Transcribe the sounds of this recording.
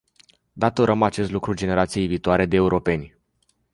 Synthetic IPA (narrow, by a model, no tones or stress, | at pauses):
d̪at̪o̞ɾʔəmat͡ʃe̞st̪lukɾud͡ʒe̞ne̞ɾat̪sije̞jviːt̪oaɾe̞d̪eːuɾʔo̞pe̞nʲ